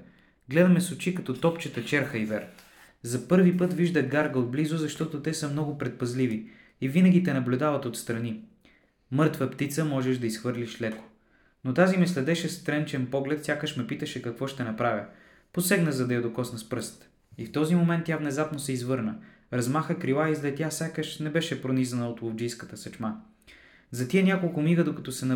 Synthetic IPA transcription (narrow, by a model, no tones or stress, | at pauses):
ɡlɛd̪ɐmɛsʊt͡ʃikɐt̪ɔt̪ɔpt͡ʃət̪ət͡ʃɛɾxəivɛɾ | zɐpɤɾvipɤt̪viʒd̪əɡaɾɡəod̪̚blizʊzɐʃt̪ɔt̪ot̪ɛsəmnɔɡʊpɾɛt̪̚pɐzlivi | ivinəɡʲit̪ɛnɐblʲud̪avɐt̪ot̪st̪ɾɐni | mɤɾt̪vəpt̪it̪səmɔʒɛʒd̪ɐisxvɤɾliʃlɛko̥ | not̪azimɛslɛd̪ɛʃɛst̪ɾɛnt͡ʃɛnpɔɡlɛt̪sʲjakəʃmɛpit̪əʃɛkɐkvɔʃt̪ɛnɐpɾavʲə | posɛɡnəzɐd̪ɐjɐd̪okɔsnɐspɾɤst̪ | ift̪ɔzimomɛnt̪ːjavnɛzapnosɛizvɤɾnə | ɾɐzmaxəkɾilˠaizlɛt̪ʲːjasʲakəʃnɛbɛʃɛpɾonizɐnəot̪lˠovd͡ʒijskət̪əsɐt͡ʃma | zɐt̪iɛnʲakolˠkʊmiɡəd̪okɐt̪ɔsɛnɐ